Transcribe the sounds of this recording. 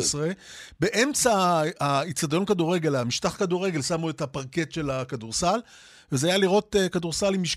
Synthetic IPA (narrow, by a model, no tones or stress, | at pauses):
sʁebe̞ʔe̞mt͡saː | it͡sad̪o̞nkaduʁe̞ɡe̞lamiʃtaχkaduʁe̞ɡe̞lsamuetapaʁke̞tʃe̞lakaduʁsal | vezeajaliʁo̞tekaduʁsalimiʃ